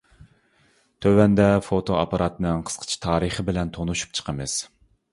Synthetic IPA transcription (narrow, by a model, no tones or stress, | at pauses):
t̪ʰøwɛnd̪ɛfot̪ʰoɑpɑɾɑt̪nɨŋqʰə̥sqʰə̥t͡ʃʰi̥t̪ʰɑːɾɨχəbɪlɛnt̪ʰonuʃu̥p̚t͡ʃʰə̥qʰəmɨz̥